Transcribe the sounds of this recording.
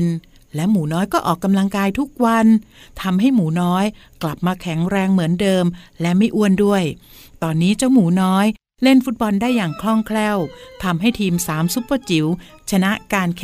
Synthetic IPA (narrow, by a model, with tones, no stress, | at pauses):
n | lɛ˦˥wmuː˩˦nɔː˦˥jkɔː˥˩ʔɔː˨˩kːa˧mla˧ŋkaː˧jt̪ʰu˦˥k̚wa˧n | t̪ʰa˧mɦa˥˩jmuː˩˦nɔː˦˥jkla˨˩p̚maː˧kʰɛ˩˦ŋɾɛː˧ŋmɯ˩˦əndɤː˧mlɛ˦˥ma˥˩jʔu˥˩əndu˥˩əj | t̪ɔː˧nːiː˦˥t͡ɕa˥˩wmuː˩˦nɔː˦˥j | le˥˩nfu˦˥t̪̚bɔ˧ndaː˥˩jːaː˨˩ŋkʰlɔ˥˩ŋkʰlɛː˥˩wt̪ʰa˧mɦa˥˩jt̪ʰiː˧msaː˩˦msu˦˥pːa˧t͡ɕi˩˦wt͡ɕʰa˧na˦˥ʔkaː˧nkʰ